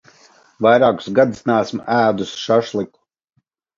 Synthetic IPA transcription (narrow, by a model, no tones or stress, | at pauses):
vajɾaːku̥sɡad̪usnæːsmʔæːd̪usʃaʃlˠiku̥